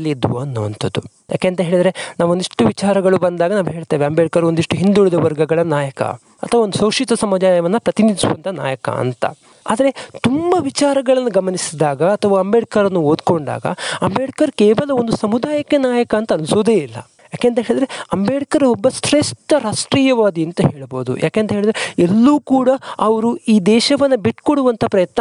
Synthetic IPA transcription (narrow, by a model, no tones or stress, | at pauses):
lid̪ʋuɐnːuːɐ̰nt̪ʰɐd̪u | ja̰ːkeːnt̪ɐɦeːɭid̪ɐɾe̞naːʋond̪iʂʈuʋit͡ʃaːɾɐɡɐɭubɐnd̪aːɡɐnaːʋuɦe̞ːɭt̪eːʋeɐmbeːɽikɐɾond̪iʂʈuɦind̪uɭid̪ɐʋɐɾɡɐɡɐɭɐnaːjɐkɐ̰ | ɐt̪ʰɐʋaond̪usoːʂit̪ɐsɐmud͡ʒaːjɐʋɐnːɐpɾɐt̪inid̪isuʋɐ̰nt̪ʰɐna̰ːjɐkɐ̰ɐ̰nt̪ɐ̰ | a̰ːd̪ɐɾet̪umbɐʋit͡ʃaːɾɐɡɐɭɐnːuɡɐmɐnisid̪aːɡɐːt̪ʰɐʋaːɐmbeːɽikɐɾɐnːuoːd̪ko̞ɳɖa̰ːɡɐ̰ɐmbeːɽikɐɾkeːʋɐlɐond̪usɐmud̪aːjɐkːenaːjɐkɐːnt̪ɐːnusoːd̪eːilːɐ̰ | jaːkeːnt̪ɐɦeɭid̪ɾe̞ɐmbeːɽikɐɾɐɦɔbːɐsʈ̪ɾesʈɐɾaːʂʈɾiːjɐʋaːd̪iɐnt̪ɐɦe̞ːɭbo̞ːd̪ṵjʔa̰ːkeːnt̪ɐɦeːɭid̪ɾeelːuːkuːɽɐɐʋɐɾuiːd̪ɛːʃɐʋɐnːɐbiʈkoɽuʋɐnt̪ʰɐpɾɐjɐt̪nɐ